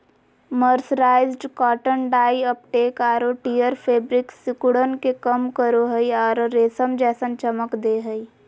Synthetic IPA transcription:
məɾsɾaːɪzɖkɔːʈənɖaːiəp̚ʈeːkaːɾoʈijəɾpʰeːbɾɪksɪkʊɽənkekəmkəɾoɦəiɔːɾɾeːsəmd͡ʒɛːsə̃nt͡ʃəməkd̪eːɦəi

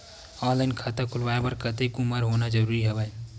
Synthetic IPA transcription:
ɔːnlaɪnkʰət̪akʰulʋajebəɾkət̪ekumaɾɦonad͡ʒəɾuːɾiɦəbəj

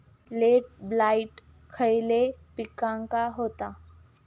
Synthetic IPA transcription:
leʈ̚blaiʈ | kʰəjlepikãŋkaɦot̪a

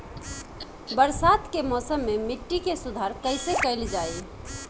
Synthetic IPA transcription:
bəɾsat̪kemɔsəmːemiʈːikesud̪ʱaɾkəɪsekəɪld͡ʒaj

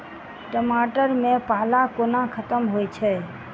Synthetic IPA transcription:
ʈəmaːʈəɾmẽpaːlakonãkʰət̪əmɦoit͡ʃʰɛ

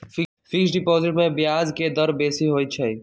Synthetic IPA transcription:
fisɖɪpoːzɪʈmẽbɪjaːzked̪əɾbeːsiɦoːit͡ʃʰaiː

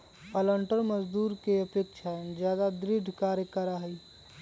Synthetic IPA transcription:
ələɳʈəɾməd͡ʒd̪uːɾkeəpekʃʰad͡ʒjad̪ad̪ɾiɖʱkaːɾjəkəɾaɦəi

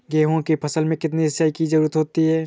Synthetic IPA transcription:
ɡeːɦõkipʰɐsəlmẽkɪt̪niɦɪsaːikid͡ʒɐɾuːɾət̪ɦoːt̪iɦɛː

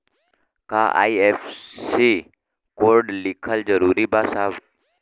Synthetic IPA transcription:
ka̰ʔa̰iefsi | koɾɖlikʰəld͡zəɾuɾibasaʋ

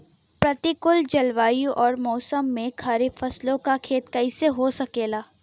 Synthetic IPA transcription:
pɾɐt̪ikʊld͡ʒɐlʋaːjũʔɔːɾmɔːsəmːẽkʰaɾibfɐslõkakʰeːt̪kɐiseɦosɐkeːlaː

